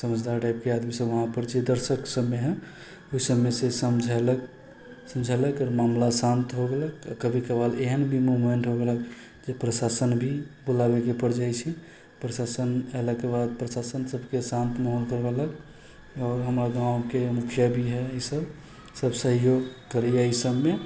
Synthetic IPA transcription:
səməd͡ʒd̪aɾʈajp̚kead̪misəbəɦãpəɾd͡ʒed̪əɾsəksəbːeɦɛ | oɦisəbmesesəmd͡ʒʱɛlək | səmd͡ʒʱeləkəɾmamlasant̪ɦoɡeləkakəbʱikəbaleɦənbʱimuɦmeɳʈɦoɡelək | d͡ʒepɾəsasənbʱibulabekepəɾd͡ʒajt͡ʃʰi | pɾəsasəneləkːebad̪̚pɾəsasənsəbkesãnt̪mɔɦɔlkəɾbelək | ɔːɾɦəmɾaɡãwkemukʰjəbʱiɦɛəisəb | səbsəɦjoɡkəɾɛjaisəbme

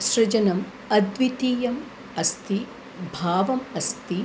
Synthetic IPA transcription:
ʃɾɐd͡ʒɐnɐm | ɐd̪ʋit̪iːjɐm | ɐst̪ʰi | bʱaːʋɐmɐst̪i

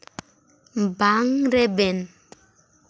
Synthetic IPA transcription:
m̩baŋɾeben

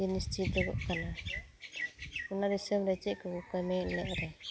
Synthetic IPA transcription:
inist͡ʃit̪̚dɛɡɔ̰ʔkana | unad̪isəmɾɛt͡ʃɛʔ̚kɔkɔjmɛlɛʔɾɛ

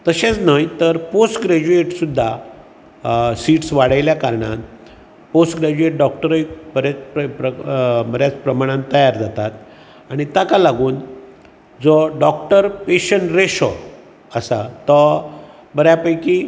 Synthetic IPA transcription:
t̪əɕẽt͡snajt̪əɾposʈɡɾed͡ʑueʈsud̪ʱːa | siːʈsʋaɽ̤ajljakaɾɳã̰n | posʈɡɾed͡ʑueʈ̚ɖɔk̚ʈəɾikbəɾat͡sppɾəbəɾjat͡spɾəmaɽ̃ãnt̪əjaɾd͡zat̪at̪ | aɽ̃it̪ãkalaɡuːn | d͡zɔɖɔkʈəɾpeɕəɳɾeɕɔ̰ | əsa̰t̪ːɔ | bəɾjapəjki

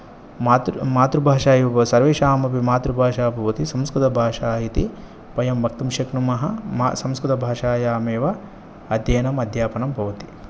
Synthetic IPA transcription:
maːt̪maːt̪ɾubʱaːʃaːjiɐɐsɐɾʋeːʃaːmɐpimaːt̪ɾubʱaːʃaːbʱɐʋɐt̪isɐmskɾut̪ɐbʱaːʂaːjit̪i | pɐjɐmbʱɐk̚t̪ɐmʃɐknumɐɦɐmsɐmskɾt̪ɐbʱaːʃaːjaːmeːʋɐ | ɐd̪jeːnɐmɐd̪ʱjaːpɐnɐmbʱɐʋɐt̪i̥

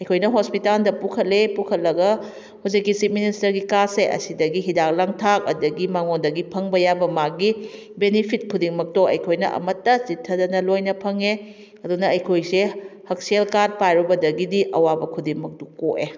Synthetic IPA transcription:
ɐjkʰojnɐɦospitaldɐpukʰɐt̚lepukʰɐt̚lɐɡɐ | hud͡ʒikːisip̚ministɐɾɡikaseʔɐ̰sidɐɡiɦidak̚laŋtʰak̚ɐ̰dɐɡimaŋondɐɡipʰɐŋbɐjabɐmak̚ɡi | benipʰit̚kʰudiŋmɐk̚toɐ̰jkʰojnɐ̰ʔɐ̰mɐtːɐsitʰːɐdɐnɐlojnɐpʰɐŋe | ɐdunɐɐjkʰojsehɐk̚sielkad̚pajɾubɐdɐɡidiʔɐwabɐkʰudiŋmɐk̚tukoʔe

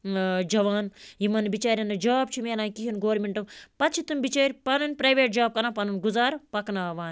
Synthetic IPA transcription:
d͡ʒɐʋaːnjimɐnbit͡ʃaːɾʲjɐnɐd͡ʒaːb̚t͡ʃʰimeːlãːnkiɦinɡoːɾmʲeɳʈɐmpɐt̪t͡ʃʰit̪umbit͡ʃeːɾʲpɐnunʲpɾɐjʋeːʈ̚d͡ʒaːb̚kɐnãpɐnunɡuzaːɾpɐknaːʋaːn

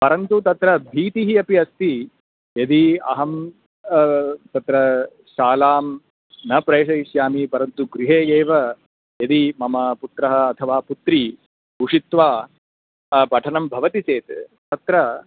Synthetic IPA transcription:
pɐɾɐnt̪ut̪ɐt̪ɾɐbʱiːt̪iɦiɐpiɐst̪i | jɐd̪iɐ̰ɦɐm | t̪ɐt̪ɾɐ | ʃaːlaːm | nɐpɾeːʂɐiʃjaːmipɐɾɐnt̪uɡɾiɦeːjeːʋɐ | jɐd̪imɐmɐput̪ɾɐɦɐ̆ːt̪ʰɐʋaːput̪ɾi | uʂit̪ʋaː | pɐʈʰɐnɐmbʱɐʋɐt̪it͡ʃeːt̪t̪ɐt̪ɾɐ

